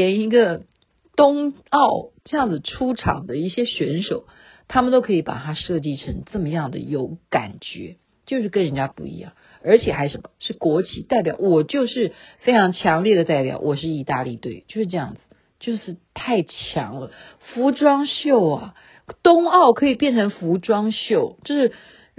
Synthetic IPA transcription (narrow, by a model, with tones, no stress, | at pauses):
ɛ˧˥ni˧˥ɡə˧ | t̪ʊ˥ŋɑ˥˩ʊʈ͡ʂɤ˥˧jɑ˥˩ŋd͡zɹ̩˩ʈ͡ʂʰu˥ʈ͡ʂʰɑ̰˨˩ŋd̪ə˦i˥˩ɕjɛ˥ɕɥɛ˧˥nʂo˨˩ʊ | t̪ʰa˥mə˨nt̪o˥ʊkʰɤ˧˥i˧˥pa̰˨˩t̪ʰa˥ʂɤ˥˧t͡ɕi˥˩ʈ͡ʂʰɤ˧˥ŋt͡sə˥˩mə˩jɑ˥˩ŋd̪ə̰˩jo˧˥ʊka̰˨˩nt͡ɕɥɛ̰˧˥ | t͡ɕjo˥˧ʊʂɻ̩˥˩kə˥nɻə˧˥nt͡ɕja˥pṵ˧˩ḭ˧˥jɑ̰˥˩ŋ | ə˞˧˥t͡ɕʰjɛ˨˩xa˧˥ɪʂə˧˥nmə˧ʂɻ̩˥˩kwɔ˧˥t͡ɕʰi˧˥t̪a˥˩ɪp̬ʲjɑ̰˨˩ʊwɔ˨˩t͡ɕjo˥˧ʊʂɻ̩˥˩fe˥ɪʈ͡ʂʰɑ˧˥ŋt͡ɕʰjɑ˧˥ŋljɛ˥˩d̪ə˩t̪a˥˩ɪpjɑ̰˨˩ʊwʔɔ˨˩ʂɻ̩˥˩i˧˥t̪a˥˧lḭ˥˧t̪we˥˩ɪt͡ɕjo˥˧ʊʂɻ̩˥˧ʈ͡ʂɤ˥˧jɑ̰˥˩ŋd͡zɹ̩˩ | t͡ɕjo˥˧ʊʂɻ̩˥˧t̪ʰa˥˩ɪt͡ɕʰjɑ̰˧˥ŋlə˧ | fu˧˥ʈ͡ʂwɑ˥ŋɕjo˥˩ʊɐ˩ | t̪ʊ˥ŋɑ˥˩ʊkʰɤ˧˥i˨˩pjɛ˥˩nʈ͡ʂʰə˧˥ŋfu˧˥ʈ͡ʂwɑ˥ŋɕjo˥˩ʊt͡ɕjo˥˧ʊʂɻ̩˥˩